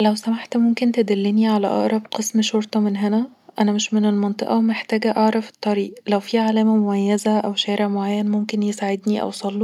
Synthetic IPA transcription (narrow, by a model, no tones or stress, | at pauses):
læwsæmaħt̪momkent̪ed̪ælːeniʕalæ̰ʔɑ̰ʔɾˤɑbqesmʃoɾt̪ˤɑmenɦenæʔænæmeʃmenelmɑnt̪ˤeʔɑwemeħt̪æːɡæʔɑʕɾˤɑfe̥t̪ˤːɑɾiːʔlæwfiːʕalæːmæmomæjːæzæʔæwʃæːɾeʕmoʕajːænmomkenjesaʕed̪niʔæ̰wsˤɑlːu